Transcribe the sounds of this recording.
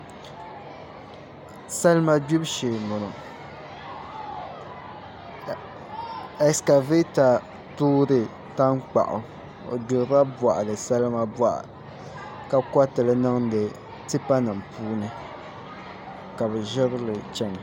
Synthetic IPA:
sa˦lma˦bu˦bʃeː˨mʊ˨ɾɨ˨ | ɛ˨ska˨ve˦ta˨ | tuː˦ɾɨ˨ | ta˦ŋk͡pa̰˨ʔʊ̰˨ | o̰˨du˨˦ɾa˦ba˨ʔa˨lɨ˨sa˦lma˦ba˦ʔa̰˨ | ka˨ka˦tɨ˨lɨ˦nɨ˦ŋ˦dɨ˨ | tɨ˦pa˦nɨ˨mpʰuː˦nɨ˨ | ka˨bɛ˨ʒɪ˦ɾlɨ˨t͡ʃɛ˦ŋ˨

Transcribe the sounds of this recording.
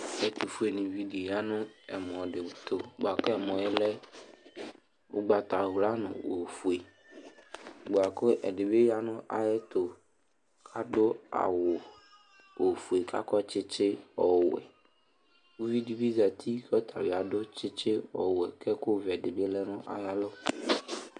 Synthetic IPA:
ɛ˦t̪u˨fu˦e˨nɪ̃˨vi˦di˨o˨ja˦nʊ̃˦ɛ˨m˨ɔ̃˨dɪ˨t̪ʰʊ˨ɡ͡bo˨a˨kʊ˦ɛ˨m˨ɔ̃˨ɪ˦lɛ˦ | ʊ̰˦ɡ͡ba˨t̪a˨˦la˦nʊ̰̃˨wo˨fu˨e˨ | ɡ͡bo˨a˨kʊ˦ʔɛ̰˨dɪ˨be˦ja˦nʊ̃˦ʔa̰˨jɛ˦t̪ʰʊ˨ | kʰa˦ɖʊ˦a̰˨wʊ˨ | wo˨fu˨e˨kʰa̰˦kɔ˦t͡ʃɪ˦t͡ʃɪ˦ɔ˨wɛ̰˨ | wu˦vi˦di˦vi˦za˨t̪ʰi˦kɔ˦t̪ʰa̰˨wi˨a˨ɖʊ˦t͡ʃɪ˦t͡ʃɪ˦ɔ̰˨wɛ˨kʰɛ˦kʊ˦vɛ˨dɪ˨be˦lɛ˦nʊ̃˦ʔa̰˨ja˦lɔ˦

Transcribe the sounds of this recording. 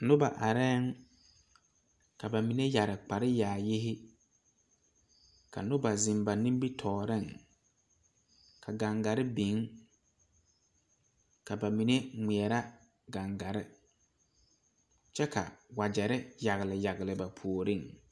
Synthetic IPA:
nʊ˦ba˨ʔa˨ɾɛ˦ŋ | kʰa˨ba˨mi˨ne˦ja˨ɾɪ˨k͡pa˨ɾɪ˦jaː˨jɪ˦ɦɪ˦ | kʰa̰˨nʊ˦ba˨zɪ˨mba˨nĩ˦m˦bi˦tʰɔː˨ɾɪ˦˨ŋ | kʰa˨ɡa˨ŋɡa˨ɾɪ˦bi˨˦ŋ | ka˨ba˨mi˨ne˦ŋi˨ɛ˨ɾa˦ | ɡa˨ŋɡa˨ɾɪ˦ | t͡ʃɛ˦ka̰˨wa˨d͡ʒɛ˨ɾɪ˦ja˨ɣɪ˨lɪ˨ja˨ɣɪ˨lɪ˨ba˨pʰu˨o˨ɾɪ˦˨ŋ

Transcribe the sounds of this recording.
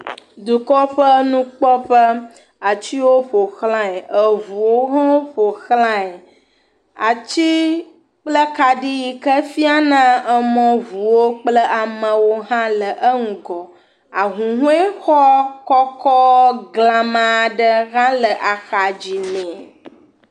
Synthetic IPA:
d̪u˨kɔ˦ɸə˦nũ˦k͡pɔ˦ɸə˦ | a˨t͡ɕi˦wo˦ɸo˨xlã˦ɛ˨ə˨vu˨wo˦ɦã˦wo˦ɸo˨xlã˦ɛ˨ | a˨t͡ɕi˦ | k͡plə˦ka˨ɖi˦ji˨kə˦fi˦a˦nã˦ə˨mɔ̃˨vu˨wo˦k͡plə˦ʔa˨mə̃˨wo˦ɦã˦lə˨ʔə˦ŋ̩˨ɡɔ˨ | a˨ɦũ˨ɦũ˦e˦xɔ˦kɔ˦kɔ˦ɡlã˨mã˨ɖə˦ɣã˦lə˨ʔa˨xa˨d͡ʑi˨mẽ˨

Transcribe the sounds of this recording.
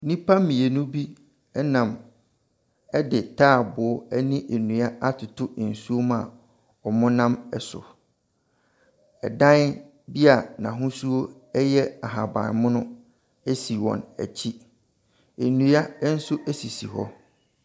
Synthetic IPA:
nĩ˦pʰa˦mĩ˨e˨nʊ̃˦bi˦ | ɛ˦nã˨m | ɛ˦dɪ˨tʰaː˦˨bʊ˨ɔ˦æ˦nĩ˦ʔe˨nũ˨a˦a˦tʰʊ˨tʰʊ˦˨n̩˨su˦o˦mã˨ | ɔ˨mʊ̃˦nã˦mɛ˨sʊ̰˨ | ɛ˨dã˦n | bi˦a˨nã˨ɦʊ̃˦su˦o˦ | ɛ˦jɛ˦a˨ɦa˨bã̰˨nmʊ̃˦nʊ̃˦ | ɛ˦si˨wɔ̰̃˨næ̰˨t͡ɕʰi˦ | e˨nũ˨a˦n̩˦sʊ˦ʔæ˦si˨sḭ˨ɦɔ̰˦

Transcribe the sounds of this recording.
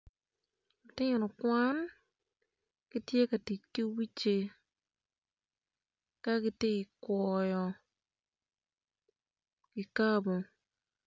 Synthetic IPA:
ɔ˨tɪ˦ɲ˨nɔ˨kwa˦n | kɪ˦tje˦ka˨ti˨t͡ʃki˦wi˦t͡ʃe˨ | ka˦ɡɪ˦tɪ˦ɪ˨kwɔ˨jɔ˨ | kɪ˨ka˦bo˨

